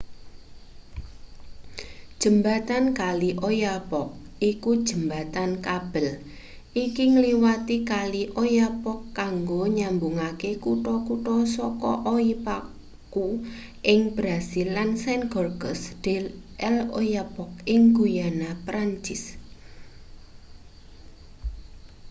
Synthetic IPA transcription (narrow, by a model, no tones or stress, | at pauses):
d̥ʒ̥ə̤mbat̪ankaliʔojapɔk̚ikud̥ʒ̥ə̤mbat̪ankab̥əl | ʔikiŋəliwat̪ikaliʔojapɔkːaŋɡoɲambuŋakekuʈɔkuʈɔsɔkɔʔoipa | ku | ʔɪŋb̥ɾasilːansɛnɡɔrɡəsd̥e̤ʔɛlo̰japɔk̚ɪŋɡujanapɾaɲt͡ʃɪs